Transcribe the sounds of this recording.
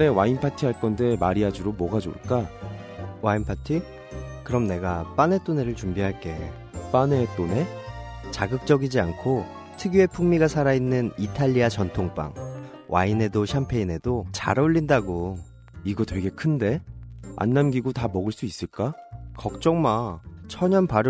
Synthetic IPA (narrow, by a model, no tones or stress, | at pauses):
e̞wainpʰatʰiɦaɭk͈ʌnde̞maɾiad͡ʑuɾomwʌɡad͡ʑo̰ɭk͈a | wainpʰatʰi | kɯɾʌmne̞ɡap͈ane̞t͈one̞ɾɯɭt͡ɕumbiɦaɭk͈e̞ | p͈ane̞t͈one̞t͡ɕaɡɯk̚t͡ɕ͈ʌɡid͡ʑiankʰo | tʰɯɡjue̞pʰuŋmiɡasʰaɾainːɯnitʰaʎːiat͡ɕʌntʰoŋp͈a̰ŋ | wʔaine̞doɕʰampʰe̞ine̞dot͡ɕa̰ɾauʎːindaɡo | iɡʌtweɡe̞kʰɯnde̞a̰nːamɡiɡotamʌɡɯɭs͈uis͈ɯɭk͈akʌk̚t͡ɕ͈ʌŋmat͡ɕʰʌɲʌnpaɾɯ